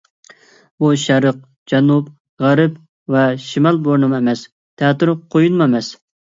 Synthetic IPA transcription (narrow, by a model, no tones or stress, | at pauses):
buʃɛɾəq̚ | d͡ʒɛnup | ʁæɾɨp | vɛʃimɑlˠboɾnɨmɛmɛs | t̪ʰɛːt̪ɨɾqʰojunmɛmɛs